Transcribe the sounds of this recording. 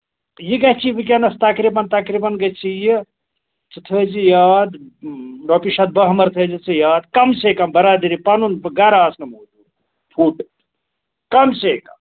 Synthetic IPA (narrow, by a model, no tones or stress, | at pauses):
jiɡɐt͡ʃʰibikjanɐst̪ɐkɾibɐnt̪ɐkɾibɐnɡɐt͡ʃʰiji | t͡ʃit̪ʰəd͡ʒijaːd̪ɾopiʃɐd̪̚bɐɦmɐɾt̪ʰəd͡ʒit͡sijaːd̪kɐmsekɐmbɐɾad̪iɾipɐnunɡaɾaːsnɐmod̪u | pʰuʈ | kɐmsekɐ̰m